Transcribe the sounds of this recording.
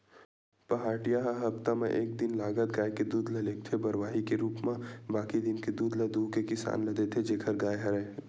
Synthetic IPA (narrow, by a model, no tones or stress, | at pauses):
pɐɦaːʈijaɦɐɦɐbt̪amḛ̃ʔeːk̚d̪ɪnlaːɡət̪̚ɡaːjked̪uːd̪lɐleːk̚t̪ʰebɐɾʋaːɦikeɾuːpmẽbaːkid̪ɪnked̪uːd̪lɐd̪uːkekɪsa̰ːnlɐd̪et̪ʰed͡ʒeːkʰəɾɡaːjɦɐɾɛ̃ː